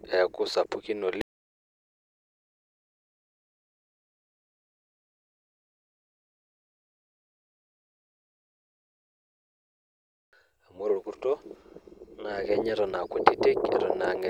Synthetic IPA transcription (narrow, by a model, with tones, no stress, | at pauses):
ɛ˨kʊ˦sa˨pu˦ki˦no˨l | a˨mo˦ɾo˨ɾku˦ɾto˦ | na˨kɛ˦ɲɛ˦ɾɔ˨na˨kʷo˨ti˦te˦kɛ̰˦ɾɔ˦na˨ŋɛ˦